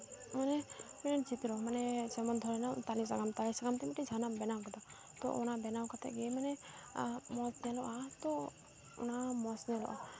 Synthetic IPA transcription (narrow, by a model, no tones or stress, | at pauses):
manɛmiɾɛnt͡ʃip̪iɾɔmanɛd͡ʒɛmɔnd̪ʱɔɾɛnat̪alis̬aɡamt̪alisaɡamt̪ɛmiʈid͡ʒʱanambɛnawkad̪a | t̪ɔ̰ʔɔ̰nabɛnawkat̪ɛ̰ɡɛmanɛ | mɔsnɛlɔʔat̪ɔ̰ː | namɔsnɛlɔ̰ʔa̰